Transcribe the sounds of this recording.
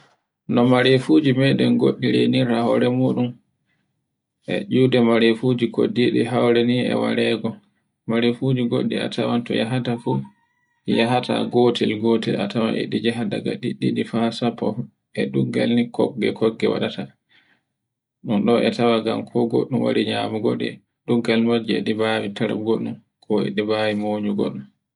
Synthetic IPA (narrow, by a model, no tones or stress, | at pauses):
nɔmaɾefud͡ʒimɛɗɛnɡoɗːiɾeniɾahɔ̰ɾɛmuːɗum | ʔɛ̰ʔudɛmaɾefud͡ʒikʰodiɗiɦawɾɛniɛ̰wa̰ɾɛɡɔ | maɾefud͡ʒiɡoɗːḭa̰tʰawantɔjaɦatafu | jaɦata̰ɡotɛlɡotɛlatawa̰ɛ̰ɗid͡ʒɛɦada̰ɡaɗiɗːiɗifasapʰːɔ | ʔɛɗuɡalnikɔɡːɛ̰kʰɔɡːɛwa̰ɗata | ɗunɗɔʔɛtawaɡamkʰɔɡo̰ɗːumwaɾiɲamuɡoɗɛ | ɗuɡalmad͡ʒɛ̰ɗibawitaɾa̰ɡoɗːum | kʰɔɛ̰ɗibawimoːɲuɡo̰ɗːum